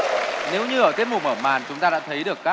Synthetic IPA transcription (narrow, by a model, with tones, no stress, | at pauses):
ne˨˦wɲɨ˧ʔə˧˩t̪i˦˥ət̚mʊ˨˩məː˧˩ma̰ː˨˩nt͡ɕʊ˨˦ŋ͡mt̪aː˧a̰ː˧˥t̪ʰə˨˦jɗɨ˨˩əkːaː˦˥